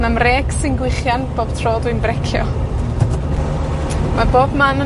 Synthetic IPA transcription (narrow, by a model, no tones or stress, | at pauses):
namreːɡsɪnɡwɪχjanb̥oːb̥̚tʰroːdwɨnbrɛkʰjɔ̰ | maboːbmanə